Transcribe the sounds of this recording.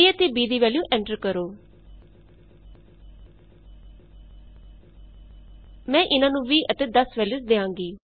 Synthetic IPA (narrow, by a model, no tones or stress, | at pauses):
iət̪eːbiːd̪iːʋɛːljũːʔɛ̃ːɳʈəɾkəɾoː | mɛ̃ːʔɪnãːnũːʋiːʔət̪eːd̪əsʋɛːljuːsd̪eːãːŋɡiː